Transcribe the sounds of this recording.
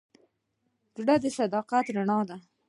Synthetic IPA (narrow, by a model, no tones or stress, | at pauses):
d͡ʒuɽad̪əsad̪ɑqat̪ɾaɳɑd̪a